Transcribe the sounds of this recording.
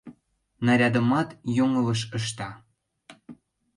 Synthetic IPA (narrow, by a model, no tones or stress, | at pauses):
nɑɾʲɑd̪ə̆mɑt̪joŋələ̆ʃəʃ̬t̪ɑ